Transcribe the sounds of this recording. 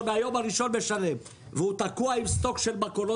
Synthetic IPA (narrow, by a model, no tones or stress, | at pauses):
beajo̞maʁiʃo̞nbeʃale̞m | veut̪akuaimst̪o̞kʃe̞lmakolo